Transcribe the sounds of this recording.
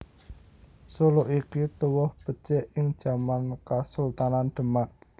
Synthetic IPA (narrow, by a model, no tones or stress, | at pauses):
suloʔikit̪uwɔhb̥ə̤t͡ʃeʔɪŋ̥ʒ̥a̤mankasult̪ananɖ̪̥ə̤maʔ